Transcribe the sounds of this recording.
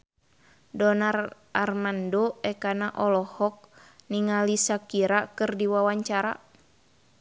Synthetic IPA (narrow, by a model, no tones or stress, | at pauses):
dɔnar | armandoɛkanaʔɔlɔhɔk̚niŋalisakiɾakɨrdiwawaɲt͡ʃaɾa̰